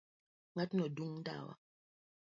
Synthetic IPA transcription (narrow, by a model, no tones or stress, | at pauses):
ŋatnɔduŋnda̰wa̰